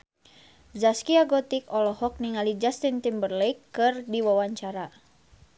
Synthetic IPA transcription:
d͡ʒaskiaɡɔt̪ikɔlɔhɔk̚niŋalid͡ʒast̪int̪imbərlejkːɨrdiwawaɲt͡ʃaɾa

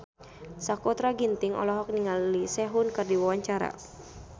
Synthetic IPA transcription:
sakot̪ɾaɡint̪ɪŋɔ̰lɔɦɔk̚niŋallisɛɦʊnkɨrdiwawaɲt͡ʃaɾa̰

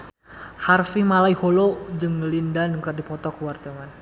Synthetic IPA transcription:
harfimalaiholɔd͡ʒɨŋəlindanəŋkərdipɔt̪ɔkəwart̪əman

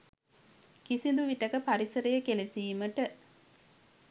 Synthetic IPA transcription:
kisind̪uʋiʈɐkəpɐɾisɐɾɐjəkelesiːməʈə

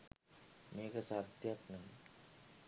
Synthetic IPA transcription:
meːɡɐsaːd̪jaːt̪nɐm

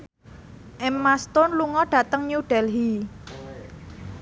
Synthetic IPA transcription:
ʔɛmːast̪ʊnluŋɔɖ̥a̤t̪əŋɲuɖ̥ɛlɦi

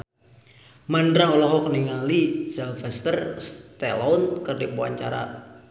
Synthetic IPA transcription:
mandɾaɔlɔɦɔk̚niŋalisɛlfɛst̪ərst̪ɛlɔnkərdipua̰ɲt͡ʃa̰ɾa̰

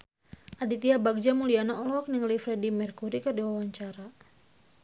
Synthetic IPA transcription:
ʔadit̪iabaɡ̚d͡ʒamulianaɔlɔɔk̚niŋlifɾɛdimɛrkuɾikɨrdiwawaɲt͡ʃaɾa

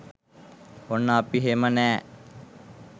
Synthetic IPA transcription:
onːəːpiɦemənæː

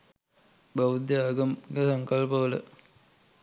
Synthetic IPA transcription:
baʋud̪jaaːɡɐmɡesaŋkɐlpəʋələ̰

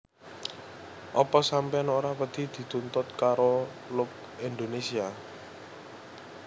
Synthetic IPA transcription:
ʔɔpɔsampɛanoɾapəd̪̥i̤d̪̥i̤t̪unt̪ʊt̪̚kaɾo | lʊk̚ | ind̪onesia

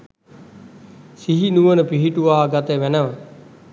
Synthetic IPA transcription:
siɦinuʋənəpiɦiʈuʋaːɡat̪əʋænəʋə

